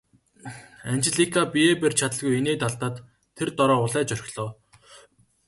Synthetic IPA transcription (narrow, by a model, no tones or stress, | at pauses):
ant͡ɕɪɮikʰapieːpert͡ɕʰat̪ə̆ɮɣujeneːt̪aɮt̪aːt̪ʰː | ert̪ɔɾɔːʊɮæːt͡ɕœr̆ʲɮɔː